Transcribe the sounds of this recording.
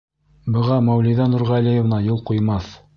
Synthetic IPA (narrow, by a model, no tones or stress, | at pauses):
bɤ̆ʁɑmæwliðɑnuɾʁɑlijŏvnɑjolˠqŭjmɑθ